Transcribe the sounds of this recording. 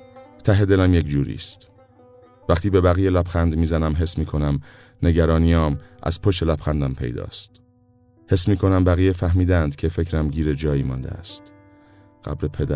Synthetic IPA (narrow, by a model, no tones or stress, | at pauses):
t̪ʰæɦe̞d̪e̞læmje̞cd͡ʒuːɾḭːst̪ | væχt̪ʰiːbe̞bæɣijelæpxænd̪miːzænæmɦe̞smiːkʰo̞næm | ne̞ɟæɾɒːnijɒːmʔæ̰z̥pʰoʃelæpxænd̪æmpʰe̞̰jd̪ɒ̰ːst̪ | he̞smiːkʰo̞næmbæɣijefæɦmiːd̪ænd̪cʰe̞fe̞cʰɾæmɟiːɾe̞d͡ʒɒːjiːmɒ̰ːnd̪ḛæ̰st̪ | ɢ̥æ̰bɾepʰe̞d̪æ